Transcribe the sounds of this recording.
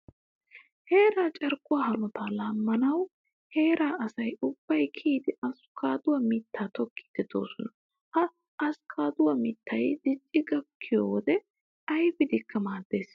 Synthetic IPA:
he̞ːɾaːt͡ʃʼɛɾkʼːʊwaːhɐnɔt̪alaːmːɐnɐw | he̞ːɾaːʔɐsɐjʊb̥ːɐjkʰiːd̪ɪʔɐskʰaːd̪ʊwɐmɪt̪ʰːaːt̪ɔkʰːi̥ːd̪̥ɛd̪o̞̰ːsɔnɐ | hɐ | ɐskʰaːd̪ʊwɐmɪt̪ːɐjd̪ɪt͡ʃʼːɪɡɐkʰːɪjoːwɔd̪ɛ | ɐjbɪd̪ɪkʰːɐmaːd̪ːe̞ːs

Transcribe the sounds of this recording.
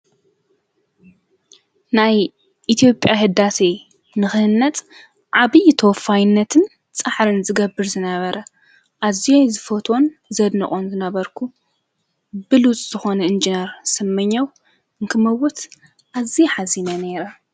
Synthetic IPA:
naj | ʔit̪ʰijo̞pʼjaɦɨd̪ase | nɨxɨhɨnːɐt̪ʼ | ʕaβɨjt̪ʰowfajɪnːɐt̪ʰɨn | t͡sʼaħɾɨnzɨɡɐbːɨɾzɨnɐβɐɾɐ | ʔazijozɨfot̪ʰo̞nzɐd̪nɐχʼonzɨnɐβɐɾkʰu | bɨlut͡sʼzɨxo̞nɐɨnd͡ʒineɾsɨmːɨɲːaw | ɨŋkʰɨmɐwʊt̪ | ʔaziħazinɐne̞ɾɐ

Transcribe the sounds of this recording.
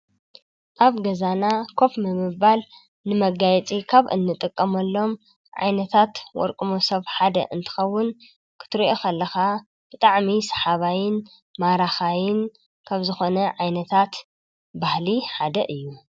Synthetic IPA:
ʔaβɡɐzanakʰo̞fmɨmɨbal | nɨmɐɡajɛt͡sʼikʰaβʔɨ̰nːɨt̪ʼɨkʼːɐmɐlːo̞m | ʕa̰jnɐt̪ʰat̪wɔ̰ɾkʼɨmo̞sɐβħad̪ɐ̰ʔɨnt̪ʰɨ̥xɐwːʊn | kʰɨ̥t̪ʰɨɾiʔo̞kʰɐlːɐxa | b̥ɨt̪ʼaʕmisɐ̥ħaβajɪn | maɾaxajɪn | kʰaβzɨxo̞nɐʕajnɐt̪ʰat̪ | bahliħad̪ɐʔɨjːu

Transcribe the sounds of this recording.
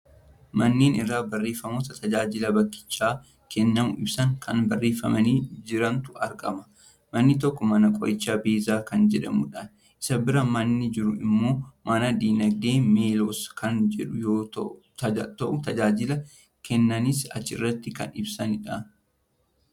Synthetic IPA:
mɐnːeːnɪrːaːbɐrːeːfɐmo̞ːt̪ɐt̪ɐd͡ʒaːd͡ʒɪlɐbɐkːɪ̥t͡ʃːaː | kɛnːɐmʊʔɪbsɐŋkʰɐnbɐrːeːfɐ̰mɐniːd͡ʒɪɾɐnt̪ʊɐɾkʼɐmɐ̥ | mɐnːɪt̪ɔkːɔmɐnɐkʼɔ̰jʔɪt͡ʃːaːbeːzaːkɐnd͡ʒɛᶑɐmʊᶑan | ʔɪ̥sɐbɪɾɐmɐnːɪd͡ʒɪɾʊɪmːo̞ːmɐnɐd̪iːnɐɡ̚d̪e̞ːme̞ːloːskʰɐnd͡ʒɛᶑʊjoː | t̪ɐʔʊt̪ɐd͡ʒaːd͡ʒɪlɐ | kɛnːɐnɪsɐ̰t͡ʃːɪ̰rːɐt̪ːɪkɐ̰nɪbsɐnɪᶑan

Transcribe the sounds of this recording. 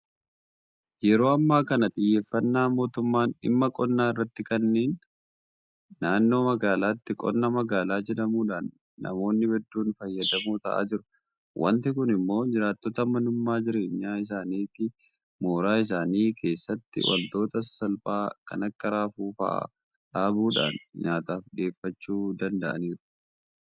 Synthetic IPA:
jɛɾo̞ːɐmːaːkɐnɐt̪ʼɪjːeːfːɐnːaːmo̞ːt̪ʊmːaːnɪ̰mːɐkʼɔnːaːɪrːɐt̪ːɪkɐnːeːn | aːnːo̞ːmɐɡaːlaːt̪ːɪkʼɔ̰nːɐmɐɡaːlaːd͡ʒɛᶑɐmuːᶑaːnː | ɐ̰mo̞ːnːɪbɛd̪ːuːnfɐjːɐd̪ɐmuːt̪ɐʔa̰ːd͡ʒɪɾʊ̥ | wʔɐ̰nt̪ɪk̬ʊnɪmːo̞ːd͡ʒɪɾaːt̪ːɔt̪ɐmɐnʊmːaːd͡ʒɪɾe̞ːɲːaːɪs̬aːniːt̪ɪ | mo̞ːɾaːɪs̬aːniːkʰe̞ːsːɐt̪ːɪ̰wɐ̰lt̪o̞ːt̪ɐsɐlfaːkɐ̰nɐkːɐɾaːfuːfɐ̰ʔa̰ | ᶑaːbuːᶑa̰ːnɲaːt̪aːfᶑe̞ːfːɐt͡ʃːuːd̪ɐnd̪ɐʔɐ̰niːɾʊ̥

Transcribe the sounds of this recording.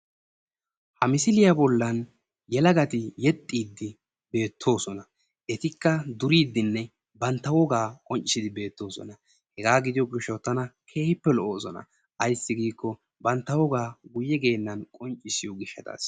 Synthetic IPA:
hɐmɪsɪlɪjɐbɔlːɐn | jɛlɐɡɐt̪ɪjɛt̪ʼːiːd̪ːɪ | be̞ːt̪ʰːo̞ːsɔnɐ | ʔɛt̪ɪkːɐd̪ʊɾiːd̪ːɪnːɛ | bɐnt̪ːɐwɔɡaːkʼɔnt͡ʃʼːɪsɪd̪ɪbe̞ːt̪ːo̞ːsɔ̰nɐ | hɛɡaːɡɪd̪ɪjɔɡɪʃːɔwt̪ːɐnɐkʰeːhɪpːɛlɔʔoːsɔnɐ̰ | ʔɐjsːɪɡiːkːɔ | bɐnt̪ːɐwɔɡaːɡʊjɛɡe̞ːnːɐnkʼɔnt͡ʃʼːɪsɪjɔɡɪʃːɐt̪a̰ːs

